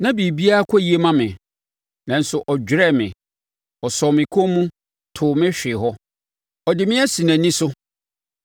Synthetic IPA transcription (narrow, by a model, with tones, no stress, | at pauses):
nã˦bi˨bi˦a˦a˦kʰɔ˦ji˨˦e˦mã˦mɪ̰̃˨ | nã˨n̩˦sʊ˨ʔɔ˨d͡ʑᶣɾɛ˦˨mɪ̰̃˨ | ɔ˨sɔ˨mɪ̃˨kʰõ˦mũ˦ | tʰʊ˨mɪ̃˦ɕᶣɪ˨ɦɔ˦ | ɔ˨dɪ˨mɪ̃˦ɛ˦sĩ˨næ̃˨nĩ˦sʊ˦